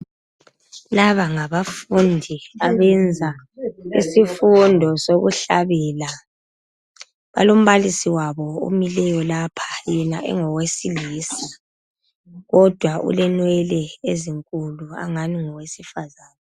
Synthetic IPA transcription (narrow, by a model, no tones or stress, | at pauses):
laβaŋaβafundʱiaβɛnd͡zʱaḭsifundʱɔsoɣṵɬaβɛːla | βa̰lom̩βalisiwaβɔo̰milɛjɔlapʰḁjɛnaʔɛ̰ŋɔwesiliːsi̥ | ɣɔd̥ʱwaʔṵlɛnwɛlɛeziŋkʼulua̰ŋaniŋɔwesifazaːnɛ